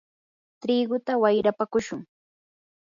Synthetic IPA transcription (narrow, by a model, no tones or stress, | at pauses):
t̪ɾiːɡʊt̪awajɾapakʊʃʊŋ